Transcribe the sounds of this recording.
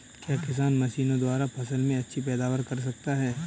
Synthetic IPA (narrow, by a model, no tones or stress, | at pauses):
kjaːkɪs̬aːnmɐʃiːnõd̪waːɾapʰɐsəlmẽɐtːʃʰipɛːd̪aːwəɾkɐɾs̬ɐk̚t̪aɦɛː